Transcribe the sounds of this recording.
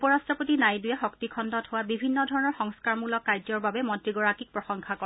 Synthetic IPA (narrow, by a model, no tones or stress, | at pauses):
upɔɹastɔpotinajdujaxɔktikʰɔndɔtɦʊwabibʱinːɔdʱɔɹɔnɔɹxɔŋskaɹmulɔkːajdzɔɹbabɛmɔntɹiɡɔɹakik̚pɹɔxɔŋkʰakɔ